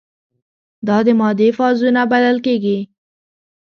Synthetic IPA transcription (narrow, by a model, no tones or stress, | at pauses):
d̪ɑd̪əmɑd̪efɑzunabad̪alkeɡi